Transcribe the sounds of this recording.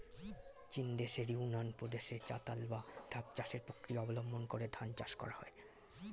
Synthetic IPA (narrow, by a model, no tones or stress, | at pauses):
t͡ɕind̪eʃeɾiunanpɾod̪eʃet͡ɕa̰t̪albad̪ʱab̚t͡ɕaʃeɾpokɾiaɔbolombʱonkoɾed̪ʱant͡ɕa̰ʃkɔ̰ɾahɔe